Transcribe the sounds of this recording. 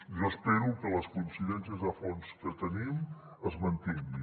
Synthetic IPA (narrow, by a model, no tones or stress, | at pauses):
ʒəspeɾukələskunsiðɛnsiəzðəfonskət̪ənim | əzmənt̪iŋɡi